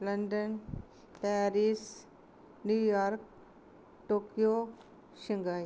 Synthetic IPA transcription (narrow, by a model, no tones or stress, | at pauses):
lɐnɖən | pɛːɾis | nuːjaːɾk̚ | ʈoːkjoː | ʃɪ̃ŋɡaːj